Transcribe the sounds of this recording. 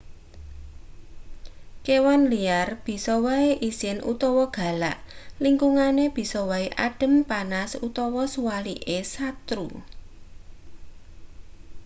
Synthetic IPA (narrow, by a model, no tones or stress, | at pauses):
kewanliarb̥i̤sɔwaeʔisɪnʔṵt̪ɔwɔɡ̥a̤la̰ʔliŋkuŋaneb̥i̤sɔwaeʔaɖ̥ə̤mpanasut̪ɔwɔsuwaliʔesat̪ɾṵ